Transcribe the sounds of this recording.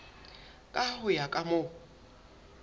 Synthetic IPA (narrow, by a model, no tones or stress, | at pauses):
kʼahʊjakʼamʊ